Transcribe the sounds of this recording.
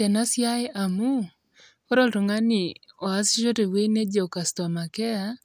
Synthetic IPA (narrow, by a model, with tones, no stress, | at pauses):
ɛ˨na˦sja˦ɪ˦ʔa˨mu˦ | o˦ɾɔ˦˨lto˨ŋa˦nɪ˨o˨a˦sʃo˦te˨we˦ne˦d͡ʒe˨o˨ka˨stɔ˨ma˨kɛ˦a˦